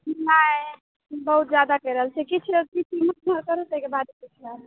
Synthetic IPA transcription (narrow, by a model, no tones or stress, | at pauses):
na | bəɦut̪̚d͡ʒad̪akɛjɾəɦəlt͡ʃʰɛkit͡ʃʰɾət̪itimnəɾkəɾusekebad̪kit͡ʃʰɾal